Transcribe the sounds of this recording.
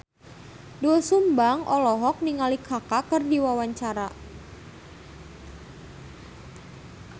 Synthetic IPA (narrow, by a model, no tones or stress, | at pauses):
duəsumbaŋʔɔlɔɦɔk̚niŋalikʰakakərdiwawaɲt͡ʃaɾa